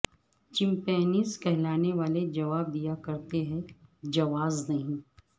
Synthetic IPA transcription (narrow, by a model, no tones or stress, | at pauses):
t͡ʃɪ̃mpɛːniːzkɛɦlaːneʋaːled͡ʒɐʋaːb̚d̪ijakɐɾt̪eɦɛ̃d͡ʒɐʋaːznɐɦĩ